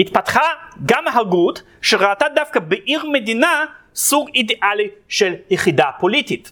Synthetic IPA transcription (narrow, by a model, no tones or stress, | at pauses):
it̪patχaɡamɦaɡut | ʃeʁaatadafkabeʔiʁmedina | suɡideʔaliʃeljeχidapolitit